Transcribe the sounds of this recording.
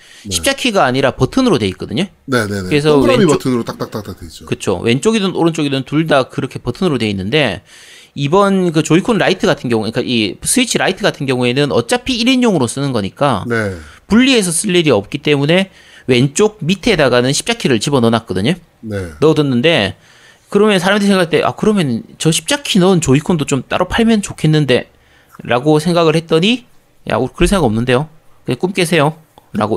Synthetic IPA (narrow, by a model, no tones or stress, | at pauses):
ɕʰi̥p̚t͡ɕ͈akʰiɡaːɲiɾapʌtʰɯnɯɾodwe̞it̚k͈ʌdɯɲo | neenekɯɾes̬ʰʌemitʰɯnɯɾot͈ak̚t͈ak̚t͈ak̚t͈ak̚dweit͡ɕ͈okɯt͡ɕʰo̰wʔe̞nt͡ɕ͈oɡidɯoɾʌnt͡ɕ͈oɡidotuɭdakɯɾʌkʰe̞pʌtʰɯnɯɾodwe̞inːɯnde̞ | ibʌnk̬ɯt͡ɕoikʰonɾaitʰɯɡatʰɯnɡjʌŋuk͈aʔisʰɯit͡ɕʰiɾaitʰɯɡatʰɯnɡjʌŋue̞nɯnʌ̰t͡ɕ͈apʰiːɾiɲoŋɯɾos͈ɯnɯnɡʌɲik͈anepuʎːie̞s̬ʰʌsʰɯʎːiɾiʌp̚k͈it͈e̞mune̞ | we̞nt͡ɕ͈oɡ̚mitʰe̞daɡanɯnɕʰi̥p̚t͡ɕ͈akʰiɾɯɭt͡ɕibʌnʌnak͈ʌdɯɲo | nenʌdɯnːɯnde̞ | kɯɾʌmjʌnsʰaɾamdɯis̬ʰeŋɡakaɭt͈e̞ʔa̰kɯɾʌmjʌnt͡ɕʌɕʰi̥p̚t͡ɕ͈akʰinʌɯnt͡ɕoikʰondot͡ɕ͈omt͈a̰ɾʔopʰaɭmjʌnt͡ɕokʰe̞nːɯnde̞ | ɾaɡosʰe̞ŋɡaɣɯɭhe̞t̚t͈ʌɲi | ja̰ukɯɾʌsʰeŋɡaʌmnɯnde̞jo | kɯɲak͈umk͈e̞s̬ʰe̞jo | ɾa̰ɡo